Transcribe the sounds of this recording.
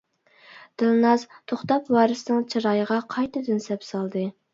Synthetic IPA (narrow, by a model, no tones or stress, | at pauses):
d̪̥ɨlˠnɑzt̪ʰoχt̪ɑpwɑːɾɨsɨnɪŋt͡ʃʰiɾɑːjəʁɑqʰɑjt̪ʰɨd̪ɪnsɛpsɑlˠd̪ɨ